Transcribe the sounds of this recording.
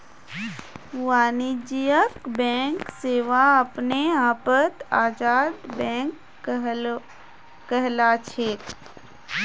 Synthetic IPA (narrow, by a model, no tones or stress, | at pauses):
ʋaːnid͡ʒijəkbɛ̃ːŋkseːʋaɐpneaːpət̪aːd͡ʒaːd̪bɛ̃ːŋk | kəɦlat͡ʃʰeː